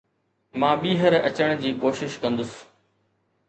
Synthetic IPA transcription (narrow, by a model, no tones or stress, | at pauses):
mãːɓiːɦəɾɐt͡ɕəɽ̃d͡ʑiːkoːʃɪʃkɐ̃nd̪ʊs